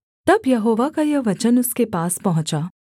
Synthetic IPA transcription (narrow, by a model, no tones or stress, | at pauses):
t̪ɐbjɐɦoːʋakajɐʋɐt͡ʃənʊskepaːspɐɦʊ̃t͡ʃaː